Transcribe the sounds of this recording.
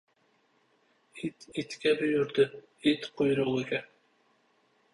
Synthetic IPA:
it̪it̪kʲæbɵ̆jɵ̆ɾd̪ɵ | it̪qʰojɾoʁikæn

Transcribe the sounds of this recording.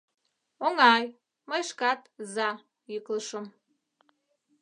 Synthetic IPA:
oŋɑj | məjʃkɑt̪zɑ | jəkləʃəm

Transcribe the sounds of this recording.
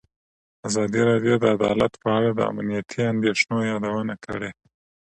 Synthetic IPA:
azɑd̪iɾɑɖjod̪əad̪ɑlat̪pəaɽad̪ə̰a̰mnijat̪ʰiand̪eʂnojɑd̪awənakə̰ɽe

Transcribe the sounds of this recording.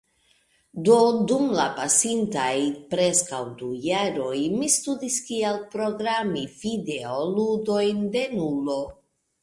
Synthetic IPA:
do̞dumlapasintajpɾe̞skawdujaɾo̞jmistudiskialpɾo̞ɡɾamivideoludo̞jnde̞nulo̞

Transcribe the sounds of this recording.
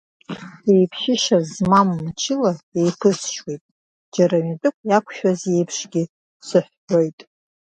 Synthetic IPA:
e̞jpʰʃɪʃazmammt͡ʃʰɪlaejpʰɨsʃwejtʼ | d͡ʒaɾaɥitʼɨkʷʼjakʷʰʃᶣaze̞jpʰʂɡʲɪ | sɨħʷħo̞jtʼ

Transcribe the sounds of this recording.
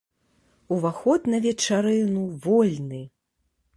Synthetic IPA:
uvaxɔt̪nɐvʲɛt͡ʂaɾɨnuvɔlʲnɨ

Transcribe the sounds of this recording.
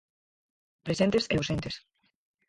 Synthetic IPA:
pɾesẽnt̪eseowsẽnt̪es

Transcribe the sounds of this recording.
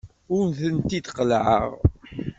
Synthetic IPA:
ʊnθənt̪id̪qəlʕə̰ʁ

